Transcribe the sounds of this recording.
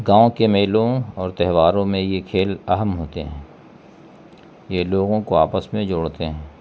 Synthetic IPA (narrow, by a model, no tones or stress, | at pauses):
ɡãːõkemeːlõɔːɾt̪ɛɦʋaːɾõmẽjekʰeːlɐɦəmɦoːt̪eɦɛ̃ː | jeloːɡõkoaːpəsmẽd͡ʒoːɽt̪eɦɛ̃ː